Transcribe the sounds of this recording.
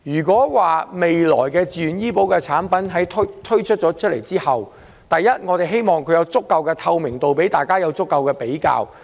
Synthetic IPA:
jyː˨˩kʷɔː˨˥waː˨me˨jlɔ̰ː˨˩jkɛː˧t͡sii˨y˨njiː˥po˨˥wkɛː˧t͡sʰaː˨˥npɐ˨˥nɦɐ˨˥jt̪ʰt̪ʰɵ˥ɥt͡ʃʰɵ˥t̚t͡ʃːɔː˨˥t͡ʃʰt̚lḛ˨˩jt͡siː˥hɐ˨w | t̪ɐ˨jːɐ˥t̚ŋɔː˨˧t̪e˨jɦe˥jmɔː˨ŋkʰɵ˨˧jɐ˨˧wt͡sʊ˥kːɐ˧wkɛː˧t̪ʰɐ˧wmɪ˨˩ŋt̪o˨wpe˨˥jt̪aː˨˩jkaː˥jɐ˨˧wt͡sʊ˥kːɐ˧wkɛː˧pe˨˥jka̰ː˧w

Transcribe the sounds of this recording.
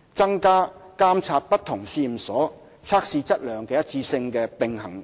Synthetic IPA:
t͡sɐ˥ŋkaː˥kaː˥mt͡sʰaː˧t̚pɐ˥t̪ʰʊ˨˩ŋsiː˧m̩˨˩sɔː˨˥ | t͡sʰaː˧˥k̚siː˧t͡sɐ˥t̚lœː˨ŋkɛː˧jɐ˥t̚t͡sʰiː˧sɪ˧ŋkɛː˧pɪ˨ŋhɐ˨˩ŋ

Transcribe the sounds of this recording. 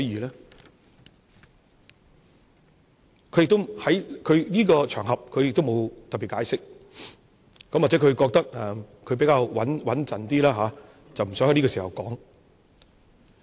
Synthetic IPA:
jiː˨lɛː˥ | kʰɵ˨ɥjɪ˨k̚t̪o˥whɐ˨˥jkʰɵ˨˧ɥniː˥kɔː˧t͡ʃʰœː˨˩ŋɦɐ˨p̚kʰɵ˧jɪ˨k̚t̪o˥wmo˨˧wt̪ɐ˨pːiː˨tkaː˨˥jsɪ˥k̚ | kɐ˨˥mwaː˨t͡sɛ˨˥kʰɵ˧ɥkɔː˧k̚t̪ɐ˥k̚ɛ˨˧kʰɵ˨˧ɥpe˨˧˥jkaː˧wwɐ˨˥nwɐ˨˥nt͡sɐ˨nt̪iː˥laː˥ɦaː˨˦ | t͡sɐ˨wm̩˨˩sœː˨˥ŋhniː˥kɔː˧siː˨˩hɐ˨wkɔ̰ː˨˥ŋ

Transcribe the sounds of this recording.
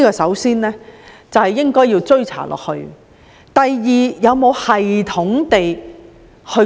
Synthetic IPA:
iː˥kɔː˧sɐ˨˥wsiː˥nlɛː˥ | t͡sɐ˨whɐ˨˩jːɪ˥ŋkɔː˥jiː˧wt͡sɵ˥ɥt͡sʰa̰ː˨˩lʔɔ̰ː˨k̚hɵ˧ɥ | t̪ɐ˨jːiː˨˩jɐ˨˧wmo˨˧whɐ˨jt̪ʰʊ˨˥ŋt̪e˨j | hɵ˧

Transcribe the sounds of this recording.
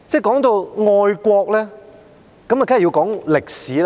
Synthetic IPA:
t͡sɛː˥˩kɔː˨˥ŋt̪o˧wŋɔː˧jkʷɔː˧k̚lɛː˥ | kɐ˨˥ma˨˩kaː˨˥˨ji˧kɔː˨˥ŋlɪ˨˩k̚siː˨˥l

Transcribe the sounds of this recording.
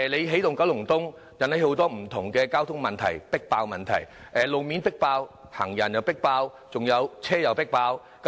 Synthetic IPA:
le˨˧jɦe˨˥jt̪ʊ˨ŋkɐ˨˥wlʊ˨˩ŋt̪ʊ˥ŋ | jɐ˨nhɐ˨˥jho˨˥wt̪ɔː˥m̩˨˩t̪ʰʊ˨˩ŋkɛː˧kaː˥wt̪ʰʊ˥ŋmɐ˨nt̪ʰɐ̰˨˩jpɪ˥k̚paː˧wmɐ˨nt̪ʰɐ̰˨˩j | ʔɛ˨lo˨˩wmiː˨˥npɪ˥k̚paː˧w | ha̰ː˨˩ŋjɐ˨˩njɐ˨˧wpɪ˥k̚paː˧w | t͡sʊ˨ŋjɐ˨˧wt͡sʰɛː˥jɐ˨wpɪ˥k̚paː˧w | k

